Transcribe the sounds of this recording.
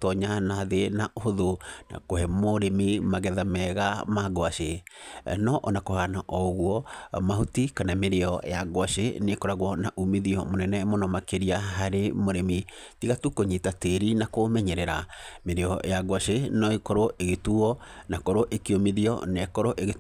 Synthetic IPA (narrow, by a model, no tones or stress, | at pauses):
tɔɲanaðenaoðona̰kohɛmoɾemimaɣɛðamɛɣamaɡwaʃe | nɔʔɔnakohanaʔɔɣwɔmahotikanameɾeɔ̰aɡwaʃenekɔɾaɣwɔnaʔumeðiɔmonɛnɛmonɔmakeɾiaɦaɾemoɾemitiɣatukoɲitateɾinakomɛɲɛɾɛɾameɾeɔ̰jaɣwaʃenɔikɔɾoeɣetuɔnakɔɾoʔekeomiðiɔ̰nekɔɾoʔeɣe